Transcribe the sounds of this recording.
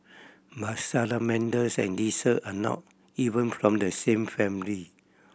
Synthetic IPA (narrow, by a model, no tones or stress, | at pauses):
batsalamɛ̃ndəsɛ̰̃ndisəʔanɔ̰t̚ | ivə̃nfɹɔ̃mdəsẽmfɛ̃mili